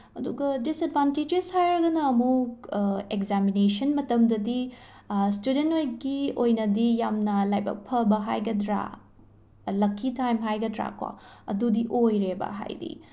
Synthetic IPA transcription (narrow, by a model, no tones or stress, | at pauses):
ɐduɡɐdisɐdbʱanted͡ʒeshajɾɐɡɐnɐːmu | ekzaminesɐnmɐtɐmdɐdi | studentojɡiojnɐdijamnɐlajbɐ̰k̚pʰɐbɐɦajɡɐdɾa̰ | lɐkʰːitajmɦajɡɐdɾa̰kʰwa̰ɐ̰dudiʔojɾebɐ̰ɦa̰jdḭ